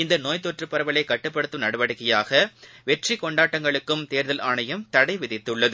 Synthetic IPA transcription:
ɪnd̪ɐnoːjt̪oɔːʈrɯpːɐɾɐʋɐlɐɪkːɐʈːɯpːɐɽɯt̪ːɯnɐɽɯʋɐɽɯkːɐjaːɣɐʋɛʈrikɔɳɖaːʈːɐŋɡɐɭɯkːɯmt̪eːɾðɐlʔaːɳɐjɐmt̪ɐɽɐɪʋɪðɪt̪ːɯɭːɐðɯ

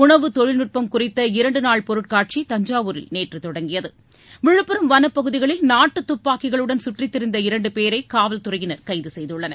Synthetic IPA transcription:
ʊɳɐʋɯt̪ɔɻɪlnɯʈ̚pɐmkʊrɪt̪ːɐɪɾɐɳɖɯnaːɭpɔɾɯʈ̚kaːʈ̚t͡ʃit̪ɐɲd͡ʒaːʋuɾɪ̰lneːʈrɯt̪ɔɽɐŋɡɪjɐðɯ | ʋɪɻɯpːɪɾɯmʋɐnɐpːɐɣɯðɪɣɐɭɪlnaːʈːɯt̪ːʊpːaːkːɪɣɐɭɯɽɐnsʊʈrɪt̪ːɪɾɪnd̪ɐɪɾɐɳɖɯpeːɾɐɪkaːʋɐlt̪ʊrɐjɪnɐɾkɐɪðɯsɛjðɯɭːɐnɐ

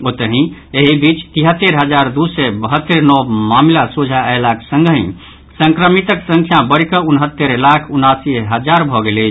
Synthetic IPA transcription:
ot̪əɦĩeɦibit͡ʃt̪iɦət̪ːeɾɦəd͡ʒaɾd̪usɛbəɦət̪ːeɾnɔmamlasud͡ʒʱaɛlaksə̃ŋɡɦḭ̃ | sə̃ŋkɾəmit̪əksə̃ŋkʰjabəɾikəunɦət̪ːəɾlakʰunasiɦəd͡ʒaɾbʱɔɡelet͡ʃʰ

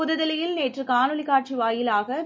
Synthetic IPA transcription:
ʊðɐðɐlɪjɪlneːʈrɯkaːnɯɭɪkaːʈ̚t͡ʃiʋaːjɪlaːɣɐ

